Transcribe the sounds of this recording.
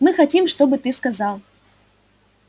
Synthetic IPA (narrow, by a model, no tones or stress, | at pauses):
mɨxat͡sʲimʂt̪ɔbɨt̪ɨskazalˠ